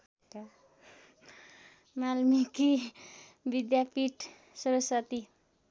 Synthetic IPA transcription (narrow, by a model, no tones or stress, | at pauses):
malmiki | bid̪japiʈ | sʌɾʌsat̪i